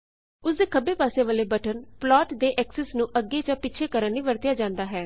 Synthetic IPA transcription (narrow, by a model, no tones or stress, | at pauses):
ʊsd̪eːkʰəbeːpaːseːʋəːleːbəʈʰənplɔːʈd̪eːʔɛːksəsnũːʔəɡːeːt͡ʃãːpɪːt͡ʃʰeːkəɾənnĩːʋəɾt̪ɪjaːd͡ʒãːnd̪aːɦɛː